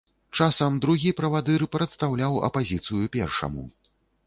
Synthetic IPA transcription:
t͡ʂasɐmd̪ɾuɣʲipɾɐvad̪ɨɾɨpɾɐt̪st̪awlʲawɐ̰pazʲit̪sɨjupʲɛrʂɐ̰mṵ

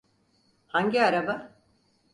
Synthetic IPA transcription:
haɲɟiaɾaba

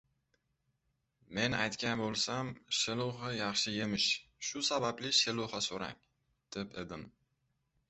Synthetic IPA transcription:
me̞na̰jt̪kʲanbolˠsamʃɪlˠʊʁɑjɑχʃɪjemɪʃʃʊsabablɪʃɪlˠʊhɑsoɾa̰ŋ | d̪̥eped̪ɪm

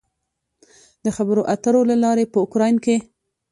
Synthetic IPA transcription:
d̪əxabəɾoʔat̪əɾolalɑɾepəʊkɾɑjnke

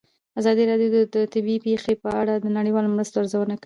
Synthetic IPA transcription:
azɑd̪iɾɑɖjod̪d̪ət̪ɪbipexepəaɽad̪ənaɽəjwɑlomɾast̪oaɾzawənakai

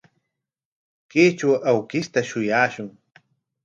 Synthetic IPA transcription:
keːt͡ʃawʔawkɪst̪aʃʊjaːʃʊŋ

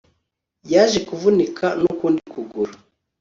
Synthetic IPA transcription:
jaːʒekuvunikʰanukuːndikuɡuɾa

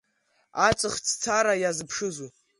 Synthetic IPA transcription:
at͡sʷʼɨχt͡sʰt͡sʰaɾajazɨpʰʂɨzu

